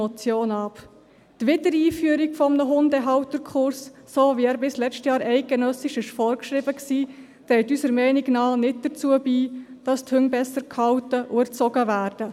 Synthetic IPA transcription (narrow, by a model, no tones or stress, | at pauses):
ɔt͡sjoːnɑp | tʋɪdəɾiːfyəɾikfɔmnəɦʊndɛɦɑwtəɾkʰʊɾsː | oːviæːɾbɪslɛt͡ʃtjɑːɾɛɪk̚ɡ̥enœsɪʃɪʃfɔɾkʃɾibəksiː | t̪ɾɛɪtysəɾmɛɪniɡnɑːnɪt̚d̥ət͡suəbiːd̥ɑstʰhʏŋbɛsəɾkhɑwtəʔʊəɾt͡sɔɡəʋæːɾd̥ə